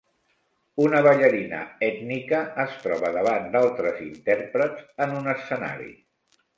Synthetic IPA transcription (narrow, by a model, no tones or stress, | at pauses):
unəβəʎəɾinə̰ɛt̪nikəːst̪ɾɔβəðəβand̪alˠt̪ɾəzint̪ɛrpɾətzənunəsəna̰ɾḭ